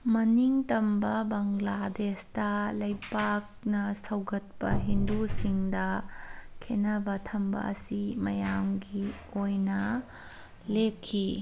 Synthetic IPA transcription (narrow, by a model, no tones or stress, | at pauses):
mɐniŋtɐmbɐbɐŋladestɐlɐjpak̚nɐsɐwɡɐt̚pɐɦindusiŋdɐkʰenɐbɐtʰɐmbɐ̰ɐ̰simɐjamɡi | ojnɐ | lekʰːi